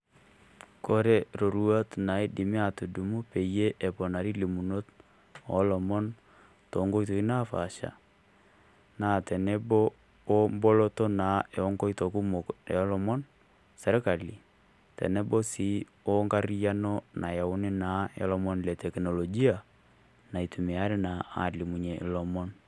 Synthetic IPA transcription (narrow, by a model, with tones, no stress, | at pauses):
ko˦ɾe˦ɾo˨ɾu˦a˦tna˨˦i˦dɪ˨mɪ˦a˨tu˨du˨mu˦pe˨je˦ʔe˨pɔ˨na˨ɾi˦li˨mu˨no˦t̚ | ɔ˨˦lɔ˨mɔ˦n | tɔ˨˦ŋɡo˦i˦to˨ki˦naː˦fa˨ʃa̰˨ | naː˦˨tɛ˨nɛ˦bo˦ | o˦mbo˦lo˦to˦na˨˦e˨ɔ˦ŋɡo˦i˦to˨ku˦mo˨kɔ˦lɔ˨mɔ˦n | sɛ˨ɾka˨li˨ | tɛ̰˨nɛ˦bo˦si˨˦ | o˦ŋka˦ɾi˦ja˦no˦nʔa˨ja˨ʊ˦nɪ˦na˨˦jɔ̰˦lɔ˦mɔ˦nlɛ˨tɛ˨kno˨lɔ˨ɡi˦a˨ | na˨i˨tu˨mɪ˨a˦ɾɪ˦na˨a̰˨li˨mu˨ɲe˨ʔɪ̰˨lɔ˨mɔ˦n